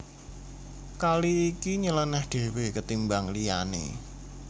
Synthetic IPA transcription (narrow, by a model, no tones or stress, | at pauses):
kaliːkiɲələnɛhɖ̥e̤wekət̪imbaŋlija̰nḛ